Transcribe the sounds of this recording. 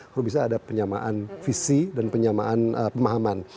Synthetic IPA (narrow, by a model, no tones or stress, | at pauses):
hɾubis̬aːdapəɲama̰ʔanfisidanpəɲama̰ʔanəpəmaɦaman